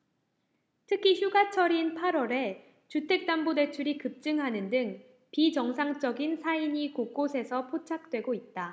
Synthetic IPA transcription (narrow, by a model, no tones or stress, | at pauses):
tʰɯkʰiçjuɡat͡ɕʰʌɾinpʰaɾwʌɾe̞ | t͡ɕutʰe̞k̚t͈ambode̞t͡ɕʰuɾikɯp̚t͡ɕ͈ɯŋɦanɯndɯŋ | pit͡ɕʌŋsʰaŋt͡ɕ͈ʌɡinsʰaiɲikok͈osʰe̞sʰʌpʰot͡ɕʰak̚t͈we̞ɡoit̚t͈a